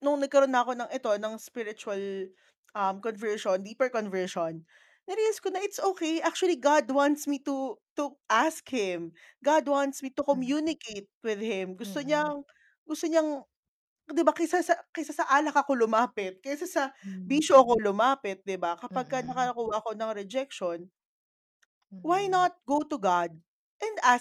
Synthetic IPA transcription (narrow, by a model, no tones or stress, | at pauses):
nʊŋnɐɡ̚kɐɾonːaʔɐko̞nɐŋʔɛt̪o̞nɐŋspɪɾɪt͡ʃʊɐl | ʔɐmkonvɛɹʃond̪iːpɛɹkonvɛɹʃon | nɛɾilɛskonɐʔɪt̪sʔoːkejʔak̚t͡ʃʊɐliɡad̪want̪smit̪ut̪uʔaskhɪm | ɡad̪want̪smit̪ʊkomjunɪkejt̪̚wɪðhɪmɡʊst̪oɲɐŋ | ɡʊst̪oɲɐŋ | d̪ɪbakɐsasɐkɛsasɐʔaːlɐkɐko̞lʊmaːpɪt̪̚kɛsasɐbiʃoɐko̞lʊmaːpɪt̪̚d̪ɪbakɐpɐɡ̚kɐnɐkɐɐkuwaʔɐko̞nɐŋɾɛd͡ʒɛkʃon | wajnɐt̪̚ɡot̪ʊɡad̪̚ | ʔɛ̃nd̪a